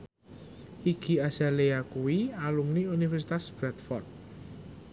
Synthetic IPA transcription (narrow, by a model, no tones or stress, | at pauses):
ʔiki̤asaleakuwialumniunifɛrsit̪asb̥ɾat̪fɔrt̪̚